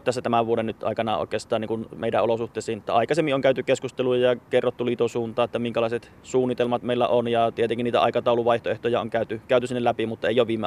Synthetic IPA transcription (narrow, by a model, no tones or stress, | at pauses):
t̪æsːæt̪æmæʋʋuodenyt̪ʔɑ̰ˑikɑnɑʔo̰ˑikˑeːst̪ˑɑːniŋkunmeˑidæolosuht̪ˑeˑːsˑiːnet̪ːæɑˑikɑsemːiʔoŋkæˑyt̪ykeskust̪elujɑjɑkerːot̪ːuliːt̪osuːnt̪ɑːet̪ːæmiŋkælɑˑiset̪ | suːnːit̪elmɑt̪meilːæ̰ʔonjɑt̪iet̪eŋkiniːt̪æ̰ɑ̰ˑikɑt̪ɑˑuluʋɑˑiht̪oeht̪ojɑoŋkæˑyt̪ykæˑyt̪ysinːelæpimut̪ːɑeˑijˑoʋʋiːmːe